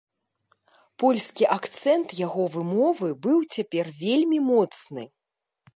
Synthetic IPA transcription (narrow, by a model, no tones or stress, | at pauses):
pɔlʲskʲiʔakt̪sɛnt̪jaɣɔvɨmɔvɨbɨwt͡sʲapʲɛrvʲelʲmʲimɔt̪snɨ